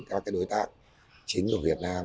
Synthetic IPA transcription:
kaː˨˦˥kaː˨˦jɗo˨˦jt̪a̰ː˧˨˩k̚ | t͡ɕï˨˦ŋ̟ku˧˩vi˨˩ət̚naː˧m

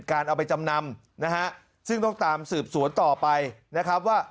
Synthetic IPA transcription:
t̪̚kaː˧nʔa˧wpa˧jt͡ɕa˧mna˧m | na˦˥ɦa˦˥ʔ | sɯ˥˩ŋt̪ɔ˥˩ŋt̪aː˧msɯː˨˩p̚su˨˩˦ənt̪ɔː˨˩pa˧jna˦˥kʰɾa˦˥p̚waː˥˩

